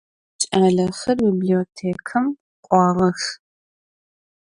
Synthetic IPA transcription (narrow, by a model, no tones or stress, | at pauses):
t͡ʃʼaːɮɐxɐrbiblioːtʰeːkʰɨm | qʷʼɑːʁɐx